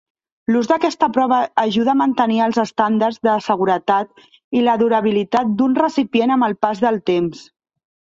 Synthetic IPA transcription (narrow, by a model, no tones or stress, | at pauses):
luzðəkɛst̪əpɾɔβ̞əːʒuð̞əːmənt̪əniəlˠzəst̪and̪əɾzðəsəɣuɾət̪at̪̚ | iləðuɾəβ̞ilit̪at̪̚d̪unrəsipienəməlˠpazðəlˠt̪ems